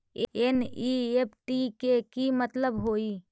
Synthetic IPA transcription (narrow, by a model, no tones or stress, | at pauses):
eniep̚ʰʈikekimət̪ləbɦoːiː